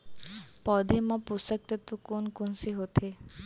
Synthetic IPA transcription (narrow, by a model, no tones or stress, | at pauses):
pɔd̪ʱemɔpusɔk̚t̪et̪ukonkunsiɦot̪ʰe